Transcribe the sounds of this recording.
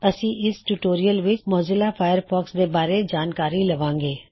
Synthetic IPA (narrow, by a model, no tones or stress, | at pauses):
ɐsĩːʔɪsʈuʈoːɾijəlʋɪt͡ʃmɔːzɪlapʰaːjəɾpʰɔːksd̪ebaːɾed͡ʒaːnkaːɾilɐʋãːŋɡeː